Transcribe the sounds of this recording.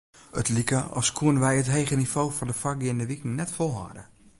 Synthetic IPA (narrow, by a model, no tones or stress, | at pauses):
ətlikəʔɔ̰lˠskʰuənəʋɛjətɦeːɣənifoːfɔndəfak̚ɡɪndəʋikɪŋnɛtfolˠha̰ːdə